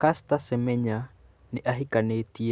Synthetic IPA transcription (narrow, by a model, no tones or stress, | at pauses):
kast̪asɛmɛɲa | nɪʔaɦikanet̪i